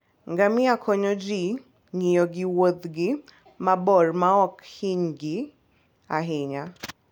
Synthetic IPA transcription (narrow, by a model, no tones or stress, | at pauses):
ŋɡamɪakʰɔɲɔd͡ʒi | ŋijɔɡɪwod̪ɡɪ | mabɔrmaɔkhiɲɡɪ | aɦɪɲa